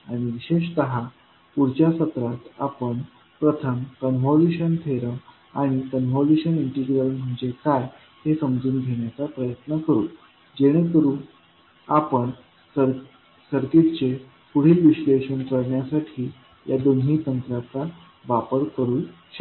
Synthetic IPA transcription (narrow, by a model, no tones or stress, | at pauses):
aɽ̃iʋiɕeɕt̪əɦa | puɾt͡ɕjasət̪ɾat̪a̰pəɳ | pɾət̪ʰəmkənʋɔluɕənt̪ʰeɾəm | aɽ̃ikənʋɔluɕəniɳʈiɡɾəlm̤əɳd͡zekaj | ɦesəmd͡zuːnɡʱeɽ̃jat͡sapɾəjət̪nəkəɾuː | d͡ʑeɽ̃ekəɾuː | apəɳ | səɾ | səɾket̪t͡ɕe | puɽ̤iːlʋiɕleɕənkəɾɳjasaʈʰiː | jad̪onɦiːt̪ənt̪ɾat͡sa | ʋapəɾkəɾuːn | ɕə